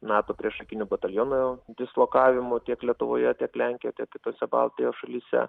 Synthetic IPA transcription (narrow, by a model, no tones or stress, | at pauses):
nɑːt̪oːpʲɾʲiɛʃɐkʲɪnʲʊbɐt̪ɐlʲjoːnʊjd̪ʲɪslˠoːkɑːʋʲɪmʊt̪ʲiɛklʲiɛt̪ʊʋo̰ːjɛt̪ʲiɛklʲɛŋʲkʲejoːt̪ʲiɛkkʲɪt̪oːsʲɛbɐ̰lˠt̪ʲɪjoːʃɐlʲiːsʲɛ̰